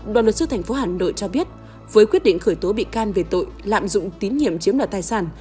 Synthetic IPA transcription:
ɗwaː˨nlwə˨˩t̚sɨ̰˧t̪ʰɛ˨˩ŋ̟fo˨˦haː˨˩no̰˧˨jt͡ɕɔ˧ɓi˦˥ət̚ | vəː˨˦jkwi˦˥t̚ɗḭ˧˨ŋ̟xəː˧˩jt̪o˨˦ɓḭ˧˨kaː˧nve˨˩t̪o̰˧˨jla̰ː˧˨mzʊ̰˧˨ŋ͡mt̪i˨˦nŋḭ˧˨əmt͡ɕi˨˦əmɗwaː˨˩t̪aː˧˩jsaː˧˩n

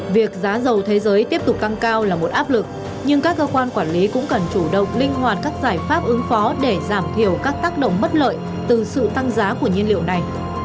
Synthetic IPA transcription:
vi˨˩ək̚zaː˨˦zə˨˩wt̪ʰe˨˦zəː˨˦jt̪i˦˥əp̚t̪ʊ˨˩k͡p̚t̪a˧ŋkaː˧wlaː˨˩mo˨˩t̚ʔaː˦˥p̚lɨ˨˩k̚ | ɲɨ˧ŋkaː˦˥kːəː˧kwaː˧nkwaː˧˩nli˨˦kʊ̰˧˥ŋ͡mkə˨˩nt͡ɕu˧˩ɗə̰˧˨wŋ͡mlï˧ŋ̟ɦwaː˨˩t̚kaː˦˥k̚zaː˧˩jfaː˦˥p̚ʔɨ˨˦ŋfɔ˨˦ɗe˧˩zaː˧˩mt̪ʰi˧˩əwkaː˦˥k̚t̪aː˦˥k̚ɗə̰˧˨wŋ͡mmə˦˥t̚lə̰ː˧˨j | t̪ɨ˨˩sɨ̰˧˨t̪a˧ŋzaː˨˦ku˧˩əɲi˧ənlḭ˧˨əwna˨˩j

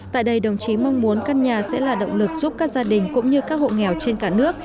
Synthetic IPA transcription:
t̪a̰ː˧˨jɗə˧jɗə˨˩wŋ͡mt͡ɕi˨˦ma˧wŋ͡mmu˨˦ənka˧nɲaː˨˩sɛ̰˧˥laː˨˩ɗə̰˧˨wŋ͡mlɨ˨˩k̚zu˦˥p̚kaː˦˥k̚zaː˧ɗï˨˩ŋ̟kʊ̰˧˥ŋ͡mɲɨ˧kaː˦˥k̚ho̰˧˨ŋɛ˨˩wt͡ɕe˧nkaː˧˩nɨ˦˥ək̚

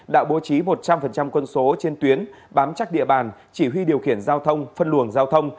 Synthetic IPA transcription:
ɗa̰ː˧˥wɓo˨˦t͡ɕi˨˦mo˨˩t̚t͡ɕa˧mfə˨˩nt͡ɕa˧mkwə˧nso˨˦t͡ɕe˧nt̪wi˨˦ən | ɓaː˨˦mt͡ɕa˦˥k̚ɗḭ˧˨əɓaː˨˩nt͡ɕi˧˩wi˧ɗi˨˩əwxi˧˩ənzaː˧wt̪ʰə˧wŋ͡mfə˧nlɨ˧˩əŋzaː˧wt̪ʰə˧wŋ͡m

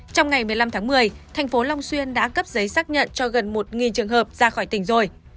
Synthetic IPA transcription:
t͡ɕɔ˧wŋ͡mŋa˨˩jmɨ˨˩əjla˧mt̪ʰaː˨˦ŋmɨ˨˩əjt̪ʰɛ˨˩jŋ̟fo˨˦lɔ˧wŋ͡mswi˧ənɗa̰ː˧˥ɣə˦˥p̚zə˨˦jsaː˦˥k̚ɲə̰˧˨nt͡ɕɔ˧ɣə˨˩nmo˨˩t̚ŋi˨˩nt͡ɕɨ˨˩əŋɦəː˨˩p̚z̥aː˧xɔ˧˩jt̪ï˧˩ŋ̟zo˨˩j

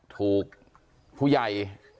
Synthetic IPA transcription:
t̪ʰuː˨˩k̚ | pʰuː˥˩ja˨˩j

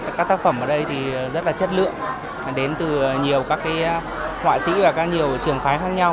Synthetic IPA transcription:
kaː˦˥k̚t̪aː˦˥k̚fə˧˩mʔəː˧˩ɗə˧jt̪ʰi˨˩zə˦˥t̚laː˨˩t͡ɕə˦˥t̚lɨ̰˧˨əŋ˩ | ɗe˨˦nt̪ɨ˨˩ɲi˨˩əwkaː˦˥kːaː˨˦j | hwa̰ː˧˨sḭ˧˥vaː˨˩kaː˦˥k̚ɲi˨˩əwt͡ɕɨ˨˩əŋfaː˨˦jxaː˦˥k̚ɲa˧w

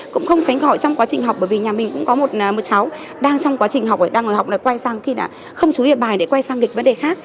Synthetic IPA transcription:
kʊ̰˧˥ŋ͡mxə˧wŋ͡mt͡ɕa˨˦jŋ̟xɔ̰˧˨jt͡ɕɔ˧wŋ͡mkwaː˨˦t͡ɕï˨˩ŋ̟ɦwk͡p̚ɓəː˧˩vi˨˩ɲaː˨˩mï˨˩ŋ̟kʊ̰˧˥ŋ͡mkɔ˨˦mo˨˩t̚ːmo˨˩t̚sa˨˦w | ɗaː˧ŋt͡ɕɔ˧wŋ͡mkwaː˨˦t͡ɕï˨˩ŋ̟ɦa˨˩wk͡pʔəː˨˩ɗaː˧ŋʔɨː˧˩ha˨˩k͡p̚naː˨˩kwa˧jsaː˧ŋxi˧naː˨˩ | xə˧wŋ͡mt͡ɕu˨˦ḭ˧˨ɓaː˨˩jɗḛ˧˩kwa˧jsaː˧ŋki̟˨˩və˨˦nɗe˨˩xaː˦˥k̚

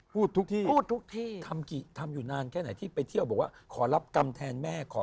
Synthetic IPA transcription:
pʰuː˥˩t̪ʰːu˦˥k̚t̪ʰiː˥pʰuː˥˩t̪ʰːu˦˥k̚t̪ʰiː˥˩tʰa˧mki˨˩t̪ʰa˧mjuː˨˩naː˧nkʰɛː˥˩na˩˦jt̪ʰiː˥˩pa˧jt̪ʰi˥˩wbɔː˨˩k̚waː˥˩kʰɔː˩˦la˦˥p̚ka˧mt̪ʰɛː˧nmɛː˥˩kʰɔː˩˦

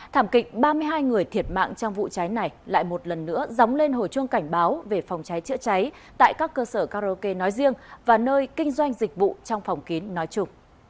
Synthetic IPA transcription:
t̪ʰaː˧˩mkï˨˩k̟̚ɓaː˧mɨ˧əjɦaː˧jŋɨ˨˩əjt̪ʰi˨˩ət̚ma̰ː˧˨ŋt͡ɕɔ˧wŋ͡mvṵ˧˨t͡ɕa˨˦jna˨˩jla̰ː˧˨jmo˨˩t̚lə˨˩nːɨ̰˧˥əza˨˦wŋ͡mle˧nɦo̰˧˩jt͡ɕɨ˧əŋka˧˩jŋ̟ɓaː˨˦wve˨˩fɔ˨˩wŋ͡mt͡ɕa˨˦jt͡ɕɨ̰˧˥t͡ɕa˨˦j | t̪a̰ː˧˨jkaː˦˥kːəː˧səː˧˩kaː˧zo˧ke˧nɔ˨˦jzi˧əŋvaː˨˩nəː˧jkï˧ŋ̟zwa˧jŋ̟zï˨˩k̟̚vṵ˧˨t͡ɕɔ˧wŋ͡mfa˨˩wŋ͡mki˨˦nːɔ˨˦jt͡ɕʊ˧ŋ͡m

